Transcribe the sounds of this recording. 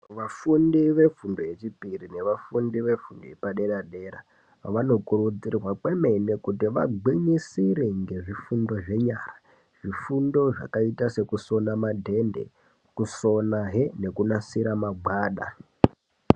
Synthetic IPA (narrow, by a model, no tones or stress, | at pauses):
ʋafundiʋe̞fundoje̞t͡ʃipirine̞ʋafundiʋe̞fundo̰epaɗe̞ɗaɗe̞ɾa | ʋano̞kuɾud͡zirwakwe̞menekutiʋaɡiɲisiɾiŋɡe̞ʐifundo̞ʐe̞ɲara | ʐ̥ifundo̞ʐa̰kaitase̞kuso̞namadʱe̞ndḛ | kuso̞naɦene̞kunasiɾamaɡ͡bwaːɗa̰